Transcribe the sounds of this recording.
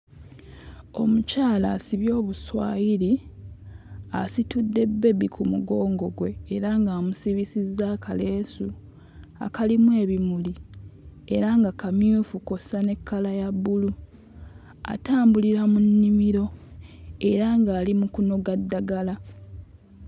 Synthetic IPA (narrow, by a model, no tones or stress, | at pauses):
o̞mucaːlaːsiβjo̞ːβuswa̰ːjiɾi | asitudːe̞bːe̞bikʰumuɡo̞ːŋɡo̞ɡwe̞ːɾaŋɡaːmusiβisizːaːkʰale̞ːsu | a̰kalimwe̞ːβimuli | e̞ɾaŋɡakamjuːfuko̞sane̞kːalajabːulu | a̰taːmbuliɾamunːimiɾo̞ | e̞ɾaŋɡaːlimukuno̞ɡadːaɡala